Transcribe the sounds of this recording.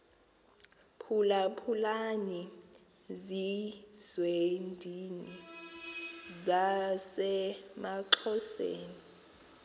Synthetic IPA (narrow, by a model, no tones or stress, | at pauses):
pʰulapʰulani | zizwendʱini | zasɛmaǁʰɔsḛːni